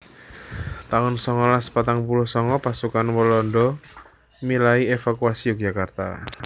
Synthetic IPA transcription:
t̪aʊnsɔŋɔlaspat̪aŋpulʊhsɔŋɔpasukanwɔlɔndɔ | milaiefakuasiuk̚d͡ʒakart̪a̰

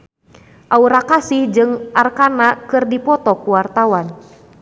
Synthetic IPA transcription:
ʔauɾakasɪhd͡ʒɨŋʔarkanakɨrdipɔt̪ɔkuwart̪awan

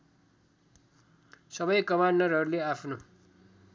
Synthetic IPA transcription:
sʌbʌjkʌmandʌrɦʌɾuleapʰno

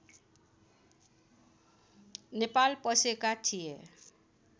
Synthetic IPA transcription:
nepalpəsekat͡ʃʰije

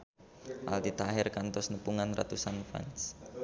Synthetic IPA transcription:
ʔa̰lt̪it̪aɦɪrkant̪ɔsnəpuŋanra̰t̪usanfa̰ns

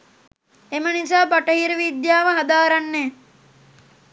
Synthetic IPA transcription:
emənisaːbaʈəɦiɾəʋid̪jaːʋəɦad̪aːɾanːɛː

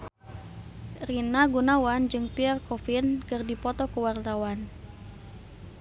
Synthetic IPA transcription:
rinaɡunawand͡ʒɨŋpiɛrkɔfinkɨrdipɔt̪ɔkəwart̪awan

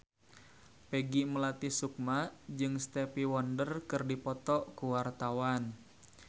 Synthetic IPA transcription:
peɡiməlat̪isuk̚maʔd͡ʒɨŋst̪ɛpiwɔndərkɨrdipɔt̪ɔʔkuwart̪awan

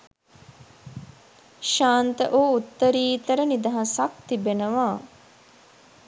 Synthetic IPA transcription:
ʃaːnt̪ə̰ʔoːut̪ːəɾiːt̪əɾənid̪ɐɦasɐk̚t̪ibenəʋaː

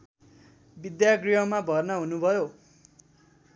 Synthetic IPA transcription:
bid̪jaɡriɦʌmabʱʌrnʌɦunubʱʌjo

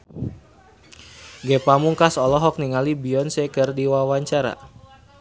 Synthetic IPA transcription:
ɡɛpamuŋkasɔlɔɦɔk̚niŋalibiɔnsɛkərdiwawaɲt͡ʃaɾa̰

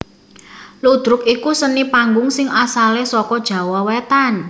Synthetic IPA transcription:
lud̪̥ɾʊkikusənipaŋɡʊŋsɪŋasalesɔkɔd̥ʒ̥a̤wɔwet̪an

